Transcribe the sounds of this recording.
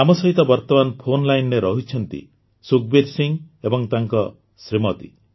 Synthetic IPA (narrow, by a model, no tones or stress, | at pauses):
amɔsɔɦit̪ɔbɔɾt̪ɔbanpʰonlajnneɾɔɦit͡ʃʰɔnt̪ḭ | suk̚beɾsiŋ | ebɔŋt̪aŋkɔ | sɾimɔt̪ḭ